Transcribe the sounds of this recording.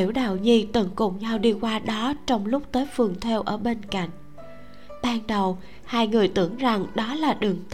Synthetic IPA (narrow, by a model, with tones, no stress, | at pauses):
wɗa̰ː˧˨wɲi˧t̪ə˧˩ŋkʊ̰˧˨˩ŋ͡mɲa˧wɗi˧kwaː˧ɗɔ˨˦t͡ɕɔ˧wŋ͡mlʊ˦˥k͡p̚t̪əː˨˦jfɨ˨˩əŋt̪ʰɛ˧wʔəː˧˩ɓe˧nka̰˧˨jŋ̟ | ɓaː˧nɗə˨˩w | haː˧jŋɨ˨˩əjt̪ɨ̰˧˩əŋza˨˩ŋɗɔ˨˦laː˨˩ɗɨ˨˩əŋt̪